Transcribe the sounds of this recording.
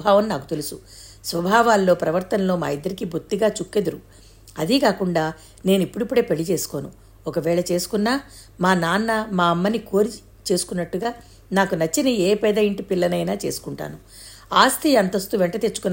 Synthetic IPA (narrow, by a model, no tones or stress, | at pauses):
bʱaːʋɐmnaːkut̪elusu | sʋɐbʱaːʋaːlːo̞ːpɾɐʋɐɾt̪ɐnlo̞ːma̰ːid̪ːɐɾikibʱuɾt̪ːiɡaːt͡ʃukːe̞d̪uɾu | ɐd̪ikaːkuɳɖaː | ne̞ːnuipːuɽipːuɽe̞ːpeɭit͡ʃe̞ːsu̥ko̞ːnu | ɔkɐʋɛːɭɐt͡ʃe̞ːsu̥kunːaː | maːnaːnːɐmaːɐmːɐniko̞ːɾi | t͡ʃe̞ːsu̥kunːɐʈːuɡaː | naːkunɐt͡ʃːinieːpɛːd̪ɐjiɳʈipilːɐnɐjnaːt͡ʃeːsu̥kuɳʈa̰ːnu | aːst̪ʰiɐnt̪ɐst̪uʋɛɳʈɐt̪et͡ʃːu̥kunːa